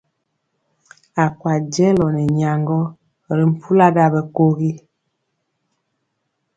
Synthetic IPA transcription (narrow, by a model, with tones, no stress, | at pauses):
a˨kwa˨d͡ʒɛ˦lɔ˨nɛ˨ɲa˨ŋɡɔ˦ | ɾi˨m̩˨pʰu˦la˦da˦bɛ˨ko˦ɣi˦